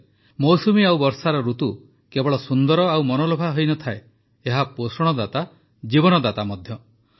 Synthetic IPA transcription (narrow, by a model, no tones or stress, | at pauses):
mɔwsumiawbɔɾsaɾɔɾut̪u | kebɔɭɔsund̪ɔɾɔawmɔnolɔbʱaɦojnɔt̪ʰae | eɦaposɔɽ̃ɔd̪at̪a | d͡ʒibɔnɔd̪at̪amɔd̪ʱjɔ